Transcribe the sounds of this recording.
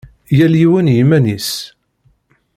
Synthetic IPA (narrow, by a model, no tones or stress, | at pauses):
jæljiwænjimænis